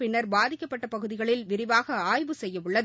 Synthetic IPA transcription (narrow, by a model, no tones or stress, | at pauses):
pɪɳːɐɾbaːðɪkːɐpːɐʈːɐpɐɣɯðɪɣɐɭɪlʋɪɾɪʋaːɣɐaːjʋɯsɛjːɐʋɯɭːɐð